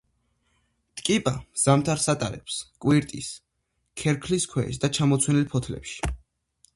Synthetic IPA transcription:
t̪ʼkʼipʼaz̥amt̪ʰaɾsat̪ʼaɾɛ̰pskʼwiɾt̪ʼḭs | kʰɛɾkʰliskʰwɛis̬d̪at͡ʃʰamɔt̪sʰwɛnilpʰɔt̪ʰlɛ̰pʃi̥

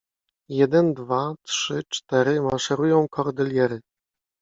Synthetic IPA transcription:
jɛd̪ɛnd̪vatʂɘt͡ʂt̪ɛɾɘmaʂɛɾujɔ̃w̃kʰɔɾd̪ɛlʲjɛɾɘ

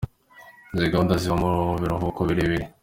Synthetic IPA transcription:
nziɡaondaziβamuɾβiɾoɦokoβiɾeβiɾe

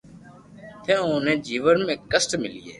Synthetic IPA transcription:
t̪ʰẽːõːnẽːd͡ʒiːʋənmẽːkːəsʈmɪlijḛː

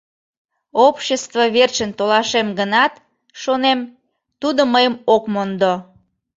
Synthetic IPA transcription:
opɕəst̪voβert͡ɕənt̪olɑʃemɡənɑt̪ | ʃonem | t̪ud̪oməjəmokmond̪o

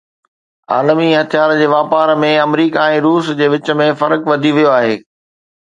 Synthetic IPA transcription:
a̰ːlmiɦɐt̪ʰijaːɾd͡ʑeːʋaːpaːɾmẽɐmɾiːkaɛ̃ːɾuːsd͡ʑeːʋɪt͡ɕə̆mẽfɐɾəkʋɐd̪ʱiʋijoaːɦeː

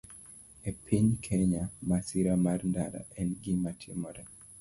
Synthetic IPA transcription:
epʰiɲkʰɛɲamasiɾamarndaɾa̰ʔɛnɡɪmatʰɪmɔɾɛ

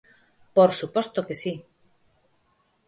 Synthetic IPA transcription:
poɾsupost̪okesi

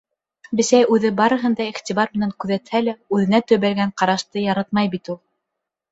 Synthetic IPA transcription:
bɘ̆sæjʉðɘbɑɾɤ̆ɦɤnd̪ɑiχt̪iβɑɾmɘ̆næŋkʉðæt̪hælæʉðɘ̆næt̪ɵ̆βælɡæɴqɑɾɑʃt̪ɤjɑɾɑt̪̚mɑjbit̪ulˠ

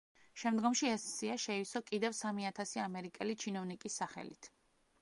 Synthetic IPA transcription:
ʃɛmd̪ɡɔmʃiɛsːiaʃɛisɔkʼid̪ɛvsamiat̪ʰasiamɛɾikʼɛlit͡ʃʰinɔvnikʼisːaχɛ̰lḭt̪ʰ

